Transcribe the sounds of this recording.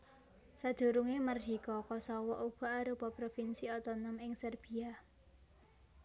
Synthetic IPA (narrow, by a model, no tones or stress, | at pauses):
sad̪̥o̤ɾuŋemərdikɔkɔsɔwɔʔuɡ̥ɔ̤aɾupɔpɾofinsiɔt̪ɔnɔmɪŋsərb̥i̤a